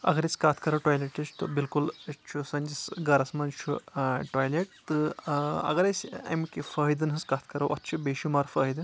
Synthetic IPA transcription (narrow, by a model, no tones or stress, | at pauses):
ɐ̰ɡɐɾet͡sʲkat̪ʰkɐɾɐʈɔjleʈɐst̪obilkult͡ʃʰusɐnʲd͡ʒisɡɐɾɐsmɐnt͡ʃʰṵʈɔːjleʈ̚t̪ɨɐ̰ɡɐɾesʲɐ̰mkʲifɐɦid̪ɨnɦɐskaːt̪ʰkɐɾɐwʔɐ̰t̪ːt͡ʃʰubeːʃimaɾfəːɦid̪